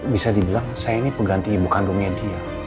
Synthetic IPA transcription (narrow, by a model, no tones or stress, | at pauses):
bisadibilaŋsajainipəɡant̪iːbukandumjadia